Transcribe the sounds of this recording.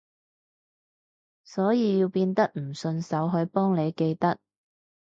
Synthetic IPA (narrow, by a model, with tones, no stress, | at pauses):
sɔː˨˥jiː˧jiː˧wpiː˧nt̪ɐ˥k̚m̩˨˩sɵ˧nsɐ˨˥wɦɵ˨˧ɥpɔː˥ŋne˨˧jke˧jt̪ɐ˥k̚